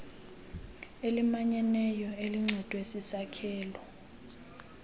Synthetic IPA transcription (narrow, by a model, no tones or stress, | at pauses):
elimaɲɛnɛjɔeliŋ͡ǀʱɛd̥ʱwesisakʰɛːlɔ